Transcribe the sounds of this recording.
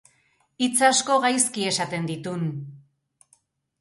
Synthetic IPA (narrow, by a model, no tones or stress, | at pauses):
it͡sasko̞ɣajskie̞sat̪e̞nd̪it̪un